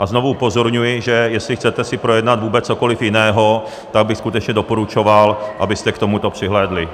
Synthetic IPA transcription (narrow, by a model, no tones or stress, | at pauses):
ʔaznovuupo̞zoɾɲujɪʒɛjɛslɪxt͡sɛt̪ɛsɪpɾojɛdnad̪vuːbɛt͡sːoko̞lɪfjɪnɛːɦo̞ | t̪aɡ̚bɪxskut̪ɛt͡ʃɲɛdo̞poɾut͡ʃo̞valʔabɪst̪ɛkt̪o̞mut̪o̞pr̥ɪɦlɛːdlɪ